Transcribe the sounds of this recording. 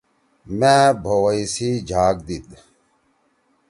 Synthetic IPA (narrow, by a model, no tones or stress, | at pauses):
mẽbʱowɐisiːd͡ʑʱaːk̚d̪it̪̚